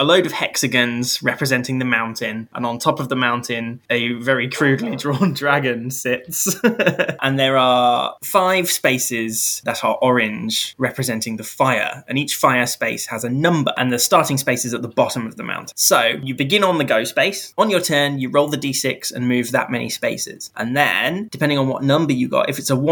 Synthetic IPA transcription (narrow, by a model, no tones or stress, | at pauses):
ələʊɾəv̥hɛksɨɡə̃nz̥ɹɛpɹɨzɛ̃ntɪ̃ŋðəmãʊ̃ntʰɪ̃nʔə̰̃nə̃ntʰɒpəvðəmãʊ̃ntʰɪ̃nɨvɛɹikʰɹ̥ʉːdˡlidɹɔ̃ndɹaɡɨ̃nsɪts | ʔə̃nðəɹəfaɪv̥speɪsɪz̥ðəɾəɹʔɔɹɪ̃nd͡ʒɹɛpʰɹ̥ɨzɛ̃ntɪ̃ŋðəfaɪə̰˞ə̰̃niˑt͡ʃfaɪə˞speɪshəzənʌ̃mbə̰˞ʔə̰̃nðəstɑɹˑtɪ̃ŋspeɪsɨzət̪̚ðəbɑɾə̃mʌvðəmʔã̰ʊ̃ntʰɪ̃nsoʊjɨbɪɡɪ̃nə̃nðəɡəʊspeɪsə̃njətʰɜːnjɨɹoʊlˠðədiːsɪksə̰̃nmʉvðə̰ʔmɛnʔḭspeɪsɪ̰z̥ʔə̰̃nðə̰̃nd̥ɪpʰɛ̃ndɪ̃ŋə̃nwɒ̰ʔⁿnʌ̃mbə˞jɨɡɑ̰tɪfɪtsəw̃